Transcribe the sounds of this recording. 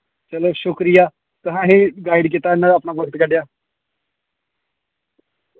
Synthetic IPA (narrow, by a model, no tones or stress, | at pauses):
t͡ʃəloːʃʊkɾijaː | t̪əɦãːɦĩːɡaːɪɖk̬it̪aːɪnãːəpnaːbəɡət̪ɡəɖjaː